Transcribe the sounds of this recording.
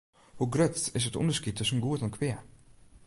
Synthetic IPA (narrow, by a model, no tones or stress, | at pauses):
hɔɡɾœt̪ːɪsɛt̪ʊ̰nd̪əʂskɪt̪əsɔmɡuːət̪ʰɑnkʰʋeː